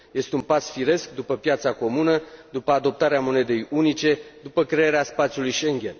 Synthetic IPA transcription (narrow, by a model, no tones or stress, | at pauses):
je̞st̪eunpasfiɾe̞skd̪upəpjat̪sako̞munəd̪upəad̪o̞p̚t̪aɾeamo̞ne̞d̪e̞junit͡ʃe̞d̪upəkɾe̞eɾeaspat̪siulujʃe̞ŋɡʲe̞n